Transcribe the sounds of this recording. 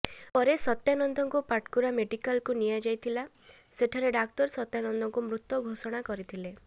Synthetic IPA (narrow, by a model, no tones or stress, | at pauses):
pɔɾesɔt̪janɔnd̪ʱɔŋkupaʈkuɾameɖikalkunijad͡ʒajt̪ʰila | seʈʰaɾeɖaktɔɾsɔt̪janɔnd̪ʱɔŋkumɾut̪wɔɡʱosɔɽ̃akɔɾit̪ʰile